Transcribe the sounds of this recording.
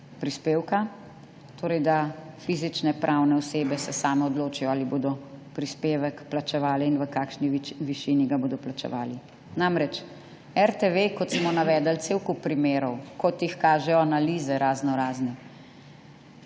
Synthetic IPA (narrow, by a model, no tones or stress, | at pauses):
pɾispeːwka | t̪oːɾɛjd̪afiːzit͡ʃnɛpɾʔawnɛɔseːbɛsɛsaːmɛɔd̪loːt͡ʃijɔaːliboːd̪ɔpɾispeːʋɛkplat͡ʃɛʋaːlɛinʋəkaːkʃniʋiʃiːniɡaboːd̪ɔplat͡ʃɛ̰ʋaːli | namɾɛt͡ʃ | ɛɾt̪eʋekɔt̪smɔnaʋɛːd̪əlt̪sewkupɾimeːɾɔwkɔt̪jixkaːʒɛjɔanaliːzɛɾaːznɔɾaːznɛ